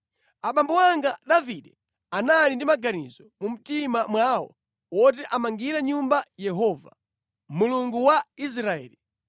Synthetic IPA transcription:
aɓambɔwaŋɡaɗaviɗɛ | analindimaɡanizɔmum̩timamwawɔ̰ | wɔt̬ɛʔamaŋɡiɾɛɲumbajɛɦɔva̰ | muluŋɡuwais̬ɾaɛ̰ːli

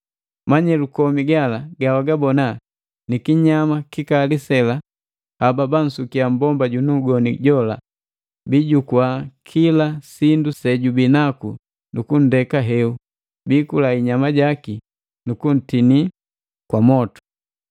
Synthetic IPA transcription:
maɲɛlukɔmiɡalaɡawaɡabɔna | nikiɲamakikalisɛla | hababan̩sukiambɔmbaɟunuɡɔniɟɔla̰ | biɟukwakʰilasindusɛɟubinaku | nukun̩dɛkaɦɛu | biːkulaiɲamaɟaki | nukun̩tini | kwamɔtu̥

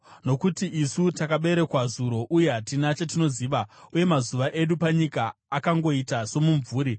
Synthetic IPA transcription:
no̞kutiisutakaɓe̞ɾe̞kwazuɾo̞ʔuje̞ɦatinat͡ʃatino̞ziːʋauje̞mazuʋaʔe̞ɗupaɲikaːkaŋɡo̞itaso̞muɱvuːɾi

